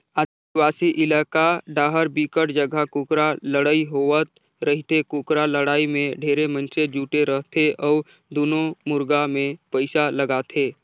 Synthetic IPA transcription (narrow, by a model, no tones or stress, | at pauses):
aː | waːsiʔɪlaːkaɖaːɦəɾbiːkəʈd͡ʒəɡʱakuːkɾaləɽaːiɦoət̪ | ɾəɦit̪ʰekuːkɾaləɽaːimẽɖʱeːɾemənsed͡ʒuːʈeɾəɦt̪ʰeʔɔːɾ | d̪oːnõmʊɾɡamẽpəɪsaləɡaːt̪ʰeː